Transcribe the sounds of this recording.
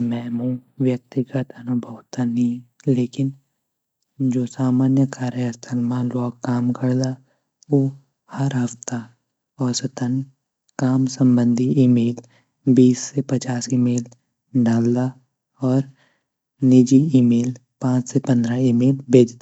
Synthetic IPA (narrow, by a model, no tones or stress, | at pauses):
mɛ̃ːmũʋjək̚t̪ɪɡət̪ənabɐɦʊt̪anileːkɪn | d͡ʒoːsaːmaːnjəkaːɾjəəst̪ʰəlmãlɔːɡkaːmkəɾd̪a | o | hɐɾɦɐft̪a | ɔːɾsət̪ən | kaːmsə̃mbə̃nd̪ʱiimeːl | biːsːepɐt͡ʃaːsimeːl | ɖaːld̪a | ɔːɾ | nɪd͡ʒiimeːl | pãːt͡ʃsepə̃nd̪ɾaimeːlbʱeːd͡ʒd̪a